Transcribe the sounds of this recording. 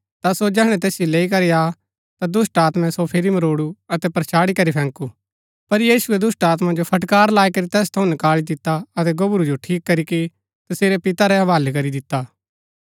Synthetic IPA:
t̪asod͡ʒɛːɦɽ̃ɛ̃t̪ɛːsjileːikɐɾiaː | t̪ad̪ʊsʈaːt̪mɛ̃sopʰɪɾimɐɾoːɽuɐt̪ɛpɾɐt͡ʃaːɽikɐɾipʰɛ̃ːŋku | pɐɾjiːsʊɛd̪ʊsʈaːt̪mãd͡ʒopʰɐʈkaːɾlaːikɐɾit̪ɛːst̪ʰɐũnɪkaːlid̪ɪt̪ːaɐt̪ɛɡɐbɾud͡ʒoʈʰiːkːɐɾiki | t̪ɐseːɾɛpɪt̪aɾɛɦɐʋaːlkɐɾid̪ɪt̪ːaː

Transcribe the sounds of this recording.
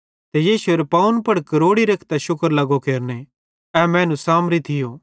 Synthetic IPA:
t̪ejiːsʊeɾepaːʊnpɐɽkɐɾoːɽiɾɐkʰt̪aʃʊkəɾlɐɡokeːɾne | ɛmɛ̃ːnũsaːmɾit̪ʰɪjoː

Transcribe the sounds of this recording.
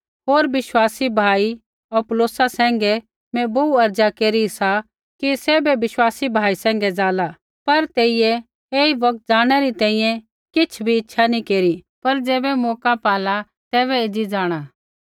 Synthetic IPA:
ɦoːɾbɪʃwaːsibʱaːi | ɔɾpʊloːsasɛ̃ːŋɡɛ | mɛ̃bouɐɾd͡ʒakeːɾisa | kisɛbɛbɪʃwaːsibʱaːisɛ̃ːŋɡɛd͡zaːla | pɐɾt̪eːijɛ | eːiʋɐk̚t̪̚d͡ʒaːɽ̃ɛɾit̪ɛ̃ːĩjɛ̃ | kɪt͡ʃʰbʱiɪtːʃʰanĩkeːɾi | pɐɾd͡ʒɛːbɛmoːkapaːla | t̪ɛːβɛɪd͡ʒid͡ʒaːɽ̃aː

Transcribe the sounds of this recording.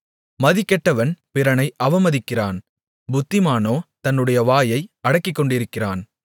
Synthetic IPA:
mɐðɪkːɛʈːɐʋɐnpɪɾɐnɐɪʔɐʋɐmɐðɪkːɪraːn | bʊt̪ːɪmaːnoːt̪ɐnːɯɽɐjɐʋaːjɐɪɐɽɐkːɪkːɔɳɖɪɾɯkːɪraːn

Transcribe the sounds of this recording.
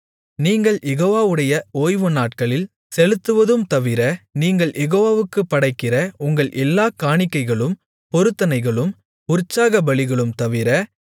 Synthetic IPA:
niːŋɡɐɭjɛɣoːʋaːʋɯɽɐjɐoːjʋɯnaːʈ̚kɐɭɪl | sɛlɯt̪ːɯʋɐðɯmt̪ɐʋɪɾɐniːŋɡɐɭjʔɛɣoːʋaːʋɯkːɯpːɐɽɐɪkːɪrɐʔʊŋɡɐɭʔɛlːaːkaːɳɪkːɐɪɣɐɭɯm | pɔɾɯt̪ːɐnɐɪɣɐɭɯm | ʊɾɪt͡ʃːaːɣɐbɐɭɪɣɐɭɯmt̪ɐʋɪɾɐ

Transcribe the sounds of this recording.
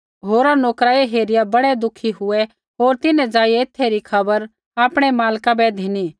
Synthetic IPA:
ɦoːɾanoːkɾaeɦeːɾɪjabɐɽɛd̪ʊkʰiɦʊɛ | ɦoːɾt̪ɪnɛ̃d͡ʒaːijɛɪt̪ʰːeɾikʰɐbəɾ | aːpɽ̃ɛmaːlkabɛd̪ʱɪniː

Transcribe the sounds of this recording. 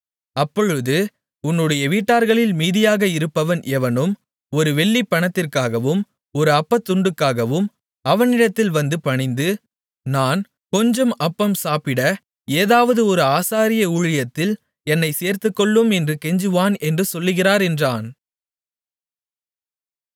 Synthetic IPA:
ɐpːɔɻɯðɯ | ʊnːɯɽɐjɐʋiːʈːaːɾɣɐɭɪlmiːðɪjaːɣɐɪɾɯpːɐʋɐnʔɛʋɐnɯm | ɔɾɯʋɛɭːipːɐɳɐt̪ːɪrkaːɣɐʋɯm | ɔɾɯɐpːɐt̪ːʊɳɖɯkːaːɣɐʋɯm | ɐʋɐnɪɽɐt̪ːɪlʋɐnd̪ɯpɐɳɪnd̪ɯ | naːn | kɔɲd͡ʒɐmɐpːɐmsaːpɪɽɐ | eːðaːʋɐðɯɔɾɯaːsaːɾɪjɐuːɻɪjɐt̪ːɪl | ɛnːɐɪseːɾt̪ɯkːɔɭːɯmɛndrɯkɛɲd͡ʒɯʋaːnɛndrɯsɔlːɯɣɪraːɾɛndraːn

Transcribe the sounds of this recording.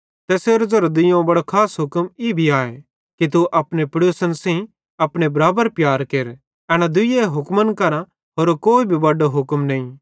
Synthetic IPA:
t̪ɛːseːɾozɐɾd̪ɪjõbɐɽokʰaːsɦʊkmibʱiaːe | kit̪uʔɐpɽepʊɽuːsənsɐ̃ĩ | ɐpɽ̃ebɐɾaːbəɾpjaːɾkeːɾ | ɛːnad̪ʊjeɦʊkmənkɐɾã | ɦoːɾokoːibʱibɐɖoɦʊkmnɐĩ

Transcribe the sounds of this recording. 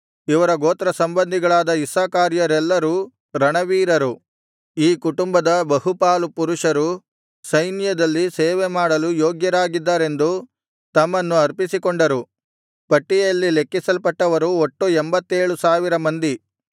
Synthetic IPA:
iʋɐɾɐɡoːt̪ɾɐsɐmbɐnd̪ʱiɡɐɭaːd̪ɐisaːkaːɾjɐɾɛlːɐɾuː | ɾɐɳɐʋiːɾɐɾu | iːkuʈumbɐd̪ɐbɐɦupaːlupuɾuʂɐɾu | sɐjnjɐd̪ɐlːiseːʋemaːɽɐlujoːɡjɐɾaːɡid̪ːaːɾe̞nd̪u | t̪ɐmːɐnːuɐɾpisikoɳɖɐɾu | pɐʈːijɐlːilekːisɐlpɐʈːɐʋɐɾuoʈːuembɐt̪ːeːɭusaːʋiɾɐmɐnd̪i

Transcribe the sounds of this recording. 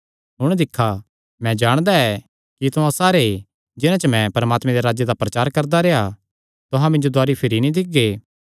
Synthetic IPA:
ɦʊɽ̃d̪ɪkʰːa | mɛ̃d͡ʒaːɽ̃d̪aɛ | kit̪ʊɦãsaːɾee | d͡ʒɪnãt͡ʃəmɛ̃pɐɾmaːt̪mɛ̃d̪eɾaːd͡ʒjed̪apɾɐt͡ʃaːɾkɐɾd̪aɾeɦa | t̪ʊɦãmɪ̃nd͡ʒod̪oaːɾipʰɪɾinĩd̪ɪk̚ɡeː

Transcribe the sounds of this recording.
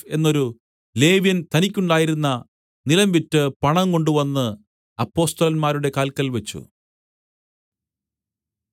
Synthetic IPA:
e̞nːo̞ɾu | le̞ːʋijɐnt̪ɐnikʲːuɳɖaːjiɾunːɐ | nilɐmʋitːɨpɐɳɐŋko̞ɳɖuʋɐnːɨ | ɐpːo̞ːst̪ɐlɐnmaːɾuɽe̞kaːlkɐlʋɐt͡ɕːṵ

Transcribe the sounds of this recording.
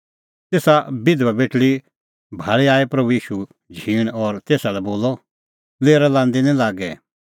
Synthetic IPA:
t̪eːsabɪd̪ʋabeːʈʰɽi | bʱaːɭiaːipɾɐbujiːʃu | d͡ʒʱiːɽ̃ɔɾt̪eːsalɛboːlɔ | leːɾɛlãːnd̪inĩlaːɡɛ

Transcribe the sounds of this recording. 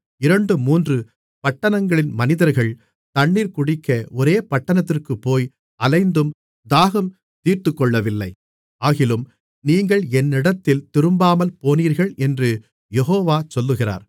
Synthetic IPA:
ɪɾɐɳɖɯmuːndrɯ | pɐʈːɐnɐŋɡɐɭɪnmɐnɪðɐɾɣɐɭ | t̪ɐɳːiːɾkʊɽɪkːɐɔɾeːpɐʈːɐnɐt̪ːɪrkɯpːoːj | ʔɐlɐɪnd̪ɯm | d̪aːɣɐm | t̪iːɾt̪ɯkːɔɭːɐʋɪlːɐɪ | aːɣɪlɯm | niːŋɡɐɭɛnːɪɽɐt̪ːɪlt̪ɪɾɯmbaːmɐlpoːniːɾɣɐɭʔɛndrɯ | jɛɦoːʋaːt͡ʃɔlːɯɣɪra̰ːɾ

